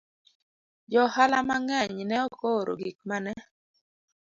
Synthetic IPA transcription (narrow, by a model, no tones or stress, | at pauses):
d͡ʒɔhalamaŋɛɲnɛokoɾo̰ɡik̚manɛ